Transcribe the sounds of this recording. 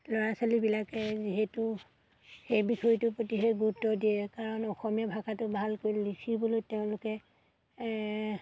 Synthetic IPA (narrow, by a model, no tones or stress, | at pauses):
lɔɹasalibilakɛziɦɛtu | xejbisɔjitʊpɹotiɦeɡutːɔdijɛkaɹɔnɔxɔmijabʱakatʊbʱalkojlisʰiboloteʊ̃lʊkɛ